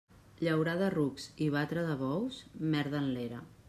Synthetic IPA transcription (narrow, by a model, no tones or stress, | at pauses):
ʎəwɾaðərukziβ̞at̪ɾəðəβɔwzmɛɾðənleɾə̰